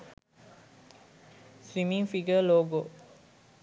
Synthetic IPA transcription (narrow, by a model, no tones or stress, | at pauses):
swĩmĩŋfiɡəloɡo